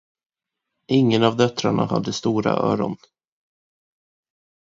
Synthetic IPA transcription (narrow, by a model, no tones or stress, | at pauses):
ʔɪŋːənavd̪œt̪ɾaɳaha̰d̪ːəst̪uːɾa̰ʔœ̰ːɾɔn